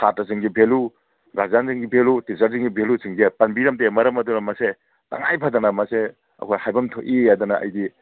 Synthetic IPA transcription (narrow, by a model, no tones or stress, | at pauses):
satɐzɯŋɡibʱelu | ɡazanziŋɡibʱelutizaɾziŋɡibʱelusiŋɡipɐnbiɾɐmtemɐɾɐmɐdunɐmɐse | ta̰ŋajpʰadɐnamɐse | ɐ̰kʰojhajbɐmtʰoʔiadɐnaɐ̰jdi